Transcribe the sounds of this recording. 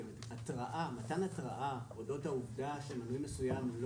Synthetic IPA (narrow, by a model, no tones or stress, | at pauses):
at̪ʁaʔamatanat̪ʁaʔaodo̞thauvd̪aʃemanujme̞sujaml